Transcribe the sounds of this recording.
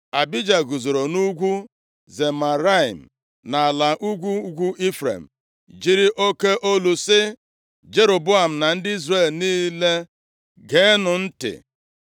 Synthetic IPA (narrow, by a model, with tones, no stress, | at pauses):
a˨bi˦d͡ʒa˨ɡu˨zo˨ɾo˨nu˦ɡʷu˦ | ze˨ma˨ɾa˦i˨m̩˨ | na˨a˨la˨ʔu˦ɡʷu˦ɡʷu˦ʔi˦fɾḛ˨m̩˨ | d͡ʒi˦ɾi˦ʔo˦ke˦ʔo˦lu˨sɪ˦ | d͡ʒe˦ɾo˨bʊ˦a˨m̩˨na˨n̩˦dɪ˦i˦zre˦˨lniː˦le˦ | ɡe˨˦nʊ˨n̩˦tɪ̰˨